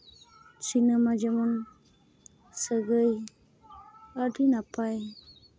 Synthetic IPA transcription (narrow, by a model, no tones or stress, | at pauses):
sinəmad͡ʒamɔn | səɡɯj | adinapʰaj